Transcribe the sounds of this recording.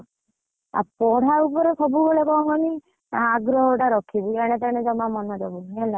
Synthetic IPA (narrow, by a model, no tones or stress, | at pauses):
a̰pɔɽ̤aupɔɾesɔbuɡɔɭekɔɔŋkɔni | aɡɾɔɦoʈaɾɔkʰibieɽ̃et̪ɛɽ̃ed͡ʒɔmamɔnɔd͡ʒɔbunnɛla